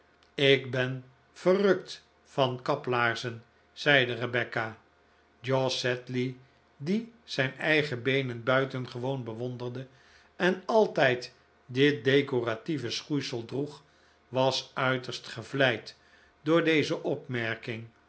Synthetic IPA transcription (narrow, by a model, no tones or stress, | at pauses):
ɪkbɛn | v̥ərɵkt | fɑnkɑplaːɹzən | z̥ɛjdərəbɛka | d͡ʒɔsɛtli | diz̥ɛjnɛjχəbejnənbœɥtənχəʋownbəʋɔndərdə | ɛnɑlˠtɛjt | dɪt̚dejkorativəsχujsəlˠdruχ | ʋɑsœɥtəɹstχəvlɛjt | dʊːɹdejzəʔɔpmɛɹkɪŋ